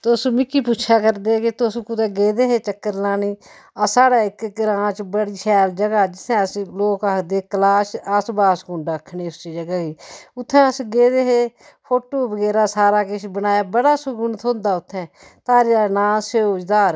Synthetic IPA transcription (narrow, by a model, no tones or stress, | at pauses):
t̪smɪkːiːpuːt͡ʃʰaːkəɾd̪eːkɪt̪osũːkʊd̪ɛːɡeːd̪eːɦeːt͡ʃəkːəɾlaːniː | aːsaːɽaːɪkɡɾãːt͡ʃbəɽiːʃɛːld͡ʒəɡaːd͡ʒɪt̪ʰːɛ̃ːəsloːkaːkd̪eːkəlaːsəsbaːskʊ̃ɳɖaəkʰːɳeːʊst͡ʃid͡ʒəɡaːɡiːʊt̪ʰːɛ̃ːəsɡeːd̪eːɦeː | pʰoːʈoːbəɡɛːɾaːsaːɾaːkɪʃbənaːjaːbəɽaːsʊɡʊnt̪ʰõːnd̪aːʊt̪ʰːɛ̃ː | t̪aːɾaːnaːseod͡ʒd̪aːɾ